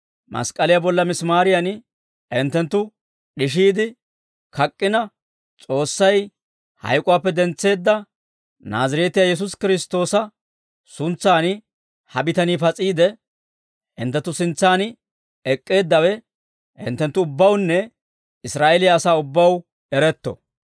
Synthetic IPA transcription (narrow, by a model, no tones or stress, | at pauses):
mɐ̰skʼɐlɪjabɔlːɐmɪsmaːɾɪjɐn | ɪnt̪ːɛnt̪ːʊ | ɗɪʃ̬iːd̪ɪ | kɐkʼːɪnɐ | t͡sʼo̞ːsːɐj | hɐ̰jkʼʊwaːpːɛd̪ɛnt͡sːe̞ːd̪ːɐ | naːzɪɾeːt̪ɪjajɛs̬ʊskɪɾɪst̪o̞ːsɐ | sʊnt͡sːaːnɪ | hɐbɪt̪ɐniːpɐt͡sʼiːd̪ɛ | ʔɪ̰nt̪ːɛt̪ːʊsɪnt͡sːaːn | ɛkʼːe̞ːd̪ːɐwɛ | ɪ̰nt̪ːɛnt̪ːʊʊbːɐwnːɛ | ɪsɾaːʔɛlɪjaːsaːʊbːɐw | ɛɾɛt̪ːɔ̰